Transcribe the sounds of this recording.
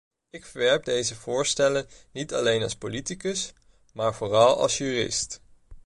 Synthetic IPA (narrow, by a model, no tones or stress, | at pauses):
ɪkfəɹʋɛɹp̚dejzəvʊːɹstɛlənnitɑlejnɑ̰lˠspolitikəs | maːɹvoːrɑlˠɑ̰lˠsjyːrɪ̰st